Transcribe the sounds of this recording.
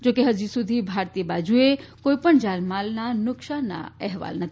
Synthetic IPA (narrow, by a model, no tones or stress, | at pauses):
d͡ʒoːkeɦəd͡ʒisʊd̪ʱibʱaːɾt̪iebaːd͡ʒuekoːipəɳd͡ʒaːlmaːlnanʊkʃana̰ɛɦʋa̰ːlnət̪ʰ